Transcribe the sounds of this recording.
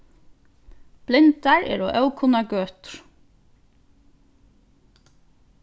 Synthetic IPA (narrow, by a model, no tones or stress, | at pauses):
b̥lɪnt̪æɹḛːɹo̰ːʔœʉkʰʊnɑɡøːt̪ɾ